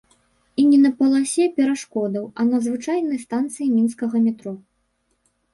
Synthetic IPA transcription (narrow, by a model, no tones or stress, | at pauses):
inʲɛnɐpɐlˠasʲɛpʲɛɾaʂkɔd̪ɐwɐnɐzvɨt͡ʂajnɐjst̪ant̪sɨjimʲinskɐɣɐmʲɛt̪ɾɔ